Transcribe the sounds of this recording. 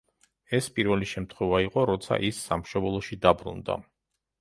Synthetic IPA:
ɛspʼiɾvɛliʃɛmt̪ʰχwɛvaiqʼɔɾɔt̪sʰa̰ʔisːamʃɔbɛlˠɔʃid̪abɾṵnd̪a̰

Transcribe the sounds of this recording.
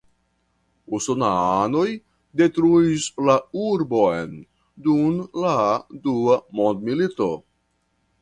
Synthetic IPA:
usonaano̞j | de̞tɾuislauɾbojn | dunladuamo̞nd̪milito̞̰

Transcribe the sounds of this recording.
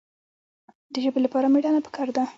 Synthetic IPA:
d̪əʒəbelapɑɾameɖɑnapə̥kʰɑɾd̪a

